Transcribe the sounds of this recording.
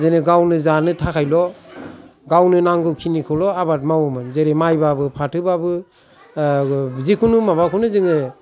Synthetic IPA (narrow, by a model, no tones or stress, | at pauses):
zenɯɡawnɯzanɯtʰakʰajlɔ | ɡawnɯnaŋɡɯwkʰinikʰɯwlɔabat̚mawɔmɯnzeɾemajbabɯpʰatʰɯbabɯ | zikʰunumabakʰunɯzɯŋɯ